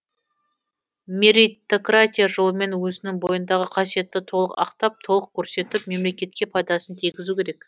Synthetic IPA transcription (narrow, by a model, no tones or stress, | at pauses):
mʲe̞ɾijt̪o̞krat̪ʲijaʒo̞lˠəme̞nwɵzɪnɪŋbo̞jənd̪ɑʁəqʰɑsije̞t̪ːɪt̪ʰo̞lˠəqɑ̰qt̪ɑp̚t̪ʰo̞lˠəq̚kʲʰːɵɾse̞t̪ɪpme̞mle̞kʲe̞t̪̚kʲe̞pʰɑjd̪ɑsənt̪ʰiɡʲɪzukʲeɾek